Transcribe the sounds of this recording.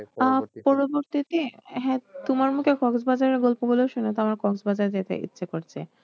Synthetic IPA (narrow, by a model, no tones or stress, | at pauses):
apɔɾoboɾt̪it̪eɦɛ̃t̪omaɾmukʰekɔɡsbad͡ʑaɾeɾɡɔlpoboleoʃunet̪amaɾkɔɡsbad͡ʑaɾd͡ʑet̪ḛʔḭtːɕʰekoɾt͡ɕʰḛ